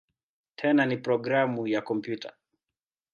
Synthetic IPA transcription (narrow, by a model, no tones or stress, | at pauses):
tʰɛnanipɾɔɡɾamujakɔmpjutʰa̰